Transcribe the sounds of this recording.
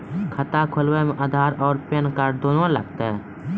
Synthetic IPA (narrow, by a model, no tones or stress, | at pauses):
kʰət̪akʰʊlwemẽʔad̪ʱaːɾɔːɾpenkaːɾd̪oːnolə̰ɡt̪aɦɛ